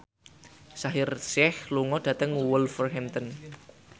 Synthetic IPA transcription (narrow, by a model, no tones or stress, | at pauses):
saɦɪrsɛhluŋɔd̥ä̤t̪əŋwulfərɦɛmt̪ən